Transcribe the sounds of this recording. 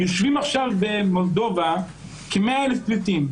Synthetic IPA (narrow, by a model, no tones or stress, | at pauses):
joʃvimaχʃavbe̞mo̞ld̪o̞va | kemeaelefplit̪im